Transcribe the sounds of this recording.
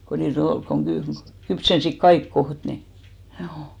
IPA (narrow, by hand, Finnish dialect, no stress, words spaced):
ko niːt ol koŋ ɡ̊y kypsensik kɑik koht ni h̆juː